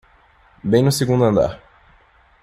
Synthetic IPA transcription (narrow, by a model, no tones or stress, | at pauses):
bẽj̃nʊseɡũnd̪ʊɐ̃nd̪a̰ɾ